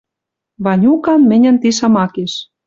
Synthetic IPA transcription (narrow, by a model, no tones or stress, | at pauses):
βɑnʲukɑnmɘ̆nʲə̆nt̪iʃɑmɑkeʃ